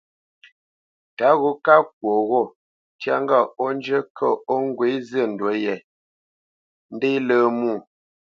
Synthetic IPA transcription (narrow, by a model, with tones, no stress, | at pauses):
ta˨˦ɣo˨˦ka˦k̚wo˨ɣɔ˦˨ | tja̰˦ŋ˦ɡa˦˨ɔ˦n˦d͡ʒə˦kʰə˦˨ɔ˦ŋ̩˦ɡwe˨˦zə˦˨n̩˨dwə˨˦jɛ˨ | n̩˦de˦ləː˦mu˦˨